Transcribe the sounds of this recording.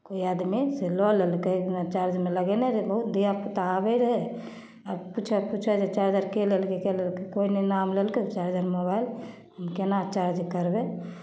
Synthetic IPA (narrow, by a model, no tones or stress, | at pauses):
koiad̪miselɔlelkenat͡ʃaɾd͡ʒmeləɡɛneɾbəɦut̪d̪ijaput̪aːbeɾəɦɛ | əbput͡ʃʰɛput͡ʃʰɛd͡ʒet͡ʃaɾd͡ʒaɾkelelkekelelkekoinenamlelket͡ʃaɾd͡ʒaɾmobail | ɦəmkenat͡ʃaɾd͡ʒkəɾbe